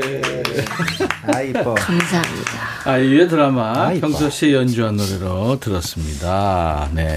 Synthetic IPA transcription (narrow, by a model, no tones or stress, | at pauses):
e | amsʰaɦamɲḭda | aiet̬ɯɾamakjʌŋsʰʌɕ͈ʰijʌnd͡ʑuɦanoɾeɾotɯɾʌs͈ɯmɲidane̞̰